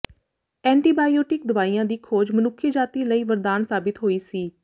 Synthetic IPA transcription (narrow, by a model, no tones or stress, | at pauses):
ɛ̃ːɳʈiːbaːioːʈɪk̚d̪ʊʋaːijãːd̪iːkʰoːd͡ʒmənʊkʰːjəd͡ʒaːt̪iːləiːʋəɾd̪aːnsaːbɪt̪ɦoːiːsiː